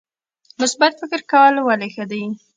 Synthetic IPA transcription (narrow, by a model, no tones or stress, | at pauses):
mʊsbat̪fɪkɪɾkawəlwalexəd̪aj